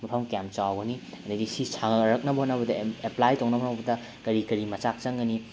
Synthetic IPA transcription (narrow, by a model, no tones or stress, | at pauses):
mɐpʰɐmkjamp̚t͡ʃawɡɐni | ɐnɐɡisisʰaŋɾɐk̚nɐbɐhonɐbɐdɐeplajtoŋnɐbɦonɐbɐdɐ | kɐɾikɐɾimɐt͡ʃak̚t͡ʃɐŋɡɐni